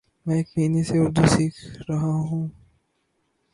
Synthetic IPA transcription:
mɛ̃eːkmiːneseʊɾd̪usiːkʰɾɐɦaɦũː

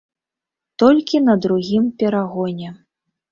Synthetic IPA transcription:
t̪ɔlʲkʲinɐd̪ɾuɣʲimpʲɛɾaɣɔnʲɛ

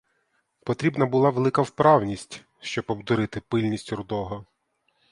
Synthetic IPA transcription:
pɔt̪ɾʲibnɐbʊlˠɑʋelˠɪkɐwpɾɑwnʲisʲtʲ | ʃt͡ʃɔbɔbd̪ʊɾɪt̪ɪpɪlʲnʲisʲtʲrʊd̪ɔɦɔ

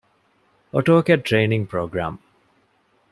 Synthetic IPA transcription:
oʈoːkɛʈ̚ʈːɾeːnĩŋpɾoːɡɾa̰ːm

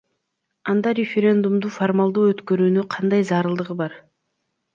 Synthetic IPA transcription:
ɑnd̪ɑɾʲefʲeɾʲe̞nd̪umd̪uformalˠd̪uːøt̪køɾyːnyqʰɑnd̪ɑjzɑːɾɯlˠd̪ɯʁɯbɑɾ

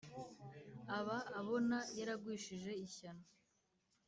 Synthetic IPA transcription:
aβaːβo̞najaɾaɡwiːʃiʒe̞içano

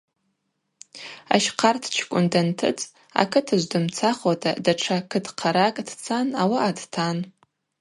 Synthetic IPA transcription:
a̰ʃqʰartʰt͡ʃʰkʷʼʊndantʰɨ̰t͡sʼ | a̰kʰɨtʰaʒʷdɨmt͡sʰaχatʼadaʈ͡ʂʰakʰɨdʰqʰaɾakʼd̥t͡sʰanawaːdtʰan

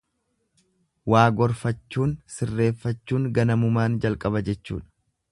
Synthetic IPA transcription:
waːɡɔɾfɐt͡ʃːuːnsɪrːe̞ːfːɐt͡ʃːuːŋɡɐnɐmʊmaːnd͡ʒɐlkʼɐbɐd͡ʒɛt͡ʃːṵːᶑɐ̥

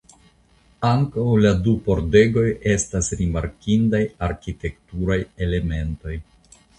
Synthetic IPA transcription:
aŋkawladupo̞ɾde̞ɡo̞je̞stasɾimaɾkindajaɾkite̞ktuɾaje̞le̞me̞nto̞j

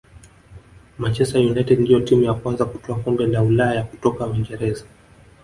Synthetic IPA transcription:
mant͡ʃɛstajunaitɛdndijɔtimujakwanzaku̥tɔakɔmbɛlaulaajaku̥tɔkawiŋɡɛɾɛza

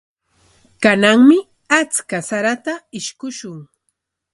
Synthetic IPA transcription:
kanaŋmɪ | at͡skasaɾat̪aɪʃkʊʃʊŋ

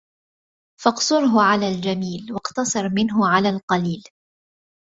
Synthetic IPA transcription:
fɑqsʊɾɦʊʕalaːld͡ʒamiːlwɑqt̪ɑsˤɑɾˤmɪnɦʊʕalaːlqɑliːl

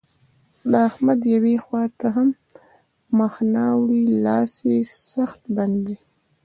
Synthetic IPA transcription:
lɑhmad̪jawexwɑt̪aɦamː | axnɑwɽilɑsesaxt̪band̪i

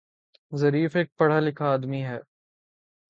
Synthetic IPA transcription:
zɐɾiːfeːk̚pɐɽ̤alɪkʰaːd̪miɦɛː

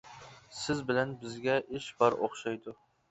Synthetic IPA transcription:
sɪzbɪlɛnbɪzɡʲɛʔɪʃbɑɾo̰χʃɑjd̪ʊ

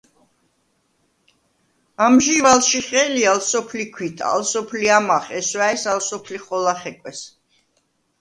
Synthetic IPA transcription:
amʒivalʃiχɛlialsɔpʰlikʰwit̪ʰa̰lsɔpʰliamaχɛswaɛsalsɔpʰliχɔlaχɛkʼwɛs

